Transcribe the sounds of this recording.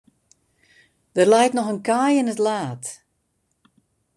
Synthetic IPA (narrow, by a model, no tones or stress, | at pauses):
d̥ərlɛjtnɔxənkajɪnətlaːt